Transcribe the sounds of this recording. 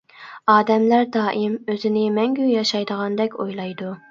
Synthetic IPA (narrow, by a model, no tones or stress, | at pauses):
ɑːd̪ɛmlæɾd̪ɑːʔɪmøzɪnɪmɛŋɡʲyjɑʃɑjd̪əʁɑnd̪ɛkʲojlˠɑjd̪u